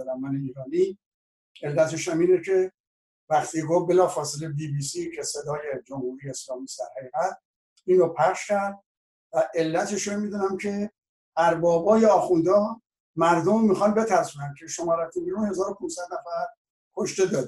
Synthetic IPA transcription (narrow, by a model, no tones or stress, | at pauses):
ɾæmːæniːɾɒːni | e̞lːæt̪ʰeʃæmiːnekʰe̞ | væχt̪ʰiːɡofbe̞lɒːfɒːselebibiːsicʰese̞d̪ɒːje̞d͡ʒomhuːɾijeːslɒːmiːsd̪æ̰ɾhæɣiːɣæt̪̚ | iːnɾopʰæχʃkʰæɾd̪̚ | væʔe̞lːæt̪ʰeʃomid̪uːnæmcʰe̞ | ʔæɾbɒːbɒːjeɒːxund̪ɒː | mæɾd̪omːixɒnbe̞t̪ʰæɾsuːnænkʰe̞ʃomɒːɾæt̪ʰunbiːɾunhe̞zɒːɾopʰũnsæd̪næfæɾ | kʰoʃt̪e̞d̪ɒːd̪